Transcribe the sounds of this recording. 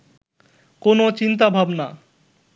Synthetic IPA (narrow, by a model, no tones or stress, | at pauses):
konot͡ɕint̪̬abʱabna